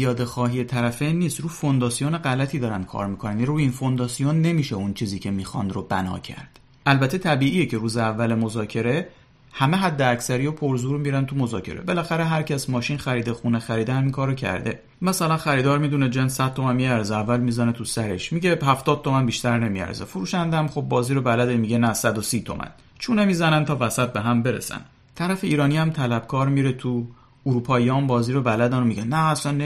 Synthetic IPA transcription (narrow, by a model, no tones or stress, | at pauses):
jɒːd̪e̞xɒːɦije̞t̪ʰæɾæfenːiːst̪ɾuːfo̞nd̪ɒːsijoneɢælæt̪ʰiːd̪ɒːɾænd̪̚kʰɒ̰ːɾmikʰo̞næniruːinfo̞nd̪ɒːsijonːe̞miːʃeunt͡ʃʰiːziːcʲʰemiːxɒ̰nd̪robænɒ̰ːcʰæ̰ɾd̪̥ | ʔælbæt̪ʰe̞t̪ʰæbiːʔiːjecʰe̞ɾuːzeævːælemo̞zɒːcʰe̞ɾe̞ | hæme̞ɦæd̪ːeæcsæɾijopʰo̞ɾzuːɾmiɾænt̪ʰumo̞zɒːcʰe̞̰ɾḛbe̞læxæɾeɦæɾcʰæsmɒːʃinxæɾiːd̪e̞xunexæɾiːd̪ehæmiŋkʰɒːɾocʰæ̰ɾd̪e̞ | mæsælænxæɾiːd̪ɒːɾmid̪uned͡ʒenssæd̪̥̚t̪ʰːo̞mænmiæɾzeævːælmizænet̪ʰusæɾe̞ʃmiɟehæft̪ɒːd̪̥̚t̪o̞mænbiʃt̪æɾne̞miæ̰ɾzefuɾuːʃænd̪æmxob̚ːɒːziːɾobælæd̪emiɟe̞næsæd̪osiːt̪ʰo̞̰mʔæ̰n | t͡ʃʰuːnemiːzænænt̪ʰɒːvæsæt̪̚be̞ɦæmbe̞ɾḛsæ̰n | t̪ʰæɾæfeiːɾɒːniæmt̪ʰælæb̥̚kʰɒːɾmiɾe̞t̪ʰu | uɾuːpʰɒːijɒːmbɒːziːɾobælæd̪ænomiɟænːæːslænː